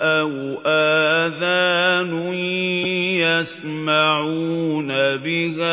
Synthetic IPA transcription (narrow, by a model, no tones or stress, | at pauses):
ʔaw | ʔaːðaːnʊ | jas | maʕunabɪhaː